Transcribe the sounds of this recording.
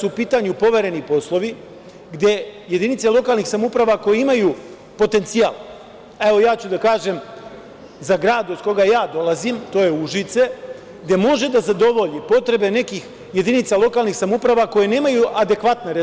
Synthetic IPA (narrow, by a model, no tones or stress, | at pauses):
suupiːt̪aɲupo̞ʋe̞ɾenipo̞slˠo̞ʋi | ɡd̪je̞je̞d̪init̪selˠo̞kaːlˠnixsamoupɾaʋako̞jeimaju | po̞t̪e̞nt̪sija̰ːl | ae̞ʋo̞jaːt͡ɕud̪akaːʒe̞m | zaɡɾaːd̪od̪ko̞ɡajaːd̪o̞lˠazimt̪o̞ːje̞uʒit̪se̞ | ɡd̪je̞mo̞ʒe̞d̪azad̪o̞ʋo̞ʎipo̞t̪ɾe̞be̞ne̞kix | je̞d̪init̪salˠo̞kaːlˠnixsamoupɾaʋako̞je̞ne̞ːmajuʔad̪e̞kʋat̪neɾe